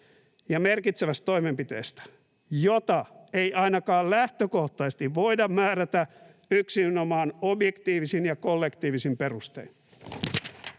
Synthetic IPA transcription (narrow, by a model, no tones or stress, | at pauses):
jɑmerkit̪seʋæst̪t̪o̞imempit̪ḛːst̪æ̥ | jot̪ɑejɑinɑkɑːllæht̪økoht̪ɑist̪iʋʋoidɑmmæːɾæt̪æ | yksiynomɑːnobjekt̪iːʋisinjɑkolːekt̪iːʋisimperust̪ḛin